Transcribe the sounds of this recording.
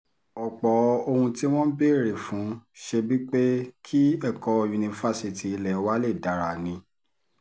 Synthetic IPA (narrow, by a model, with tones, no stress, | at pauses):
ɔ˨k͡pɔ˨˦o˧hũ˧ti˦w̃ɔ̃˦be˦˨ɾe˨fũ˨˦ʃe˧bi˦k͡pe˦kʰi˦ɛ˦˨kɔ˧ju˧nĩ˧fa˦si˧ti˨i˧lɛ˨˦wa˦le˦˨da˨ɾa˨nĩ˧